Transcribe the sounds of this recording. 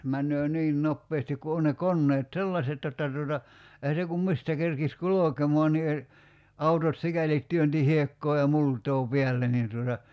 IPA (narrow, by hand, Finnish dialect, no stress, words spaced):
mænːøː niːn nopːeːstik ku on ne konːeːt selːɑset jotːɑ tuotɑ ehæ se kum mistæ kerkis kulokemɔɑn ni e ɑutot sikælit tyønti hiekːoː jɑ multˑoː piælːe nin tuotɑ